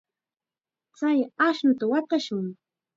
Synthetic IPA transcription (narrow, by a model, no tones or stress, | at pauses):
t͡sajaʃnʊt̪awɑt̪ɑʃʊŋ